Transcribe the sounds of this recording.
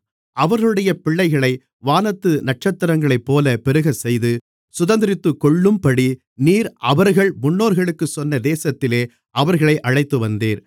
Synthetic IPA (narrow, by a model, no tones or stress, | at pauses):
ɐʋɐɾɣɐɭɯɽɐjɐpɪɭːɐɪɣɐɭɐɪ | ʋaːnɐt̪ːɯnɐʈ̚t͡ʃɐt̪ːɐɾɐŋɡɐɭɐɪpːoːlɐpɛɾɯɣɐsɛjðɯ | sʊðɐnd̪ɪɾɪt̪ːɯkːɔɭːɯmpɐɽi | niːɾʔɐʋɐɾɣɐɭmʊɳːoːɾɣɐɭɯkːɯsɔnːɐd̪eːsɐt̪ːɪleː | ʔɐʋɐɾɣɐɭɐɪʔɐɻɐɪt̪ːɯʋɐnd̪eːɾ